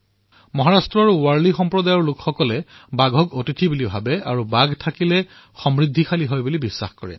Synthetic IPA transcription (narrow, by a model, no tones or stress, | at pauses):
mɔɦaɹastɹɔɹwaɹlixɔmpɹɔdajɔɹlʊkxɔkɔlɛbaɡʱɔkotitʰibulibʱabɛaɹubaɡtʰakilɛ | xɔmɹid̪ʱːixʰaliɦojbulibisːa̰xkɔɹɛ̰